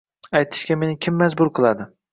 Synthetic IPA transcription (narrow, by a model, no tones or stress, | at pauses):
ajt̪ʰɪ̥ʃkʲame̞nɪkʲʰɪmːazbʊɾqʰɨlˠad̪ɪ